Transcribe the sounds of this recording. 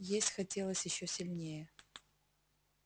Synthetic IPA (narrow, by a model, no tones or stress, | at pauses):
jesʲtʲxɐtʲʰelˠəsʲjɪɕːosʲilʲnʲejɛ